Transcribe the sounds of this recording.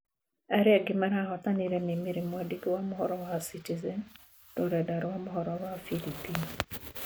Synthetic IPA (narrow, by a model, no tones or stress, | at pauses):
aɾɪaɡɪmaɾaɦɔt̪aniɾenimiɾimwadikwamɦɔɾɔwasitizɛn | tɔɾɛdaɾwamɦɔɾɔwafilipin